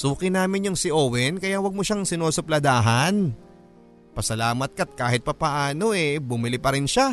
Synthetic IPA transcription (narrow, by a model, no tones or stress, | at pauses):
suːkɪnaːmɪnjʊŋsɪʔoːwɛnkɐjawɐɡ̚moʃaŋsɪnoːsʊplɐd̪aːɦɐn | pɐsɐlaːmɐt̪̚kɐt̪̚kaːɦɪt̪̚pɐpɐʔaːno̞ɛbʊmɪlɪpɐɾɪnʃa